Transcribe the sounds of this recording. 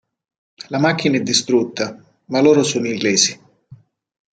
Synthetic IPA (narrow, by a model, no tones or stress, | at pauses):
lamak̟ːinaɛd̪ːist̪ɾut̪ːa | malːoːɾosoːnoiŋɡlɛːzi